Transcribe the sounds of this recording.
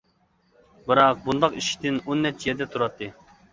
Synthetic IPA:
bɨɾɑq̚bund̪ɑqiʃʲi̥t̪ɪnonːɛt͡ʃːjɛɾd̪ɛt̪ʰuɾɑt̪ʰːɨ

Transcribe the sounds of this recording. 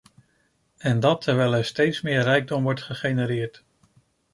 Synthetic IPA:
ɛndɑtʰɛɹʋɛjlɛɹstejtsmɪːɹrɛjɡ̚dɔmʋɔɹtχəχejnəɾɪːɹt

